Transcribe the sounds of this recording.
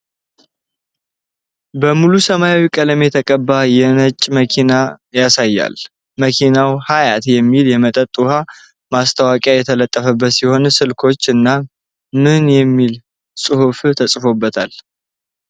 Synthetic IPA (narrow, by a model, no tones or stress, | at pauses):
bəmulusəmajawikʼəlme̞t̪ʰəkʼəbːajɛnət͡ʃʼːməkʰinajasajːa̰l | məkʰinawhajat̪jɛmːiljɛmət̪ʼət̪ʼːuha | mast̪ʰawakʼjajɛt̪ʰələt̪ʼːəfəbːət̪siho̞nsɨlkʰo̞t͡ʃːɨnːa | mɨnjɛmːil | sʼɨhuft̪ʰəsʼfo̞bːət̪ʰal